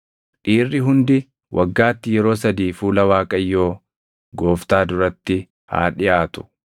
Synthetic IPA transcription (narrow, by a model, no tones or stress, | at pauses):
ᶑiːrːɪɦʊnd̪ɪ | wʔɐɡːaːt̪ːɪjɛɾo̞ːsɐd̪iːfuːlɐwaːkʼɐjːo̞ː | ɡo̞ːft̪aːd̪ʊɾɐt̪ːɪ | ha̰ːᶑɪʔaːt̪ʊ̥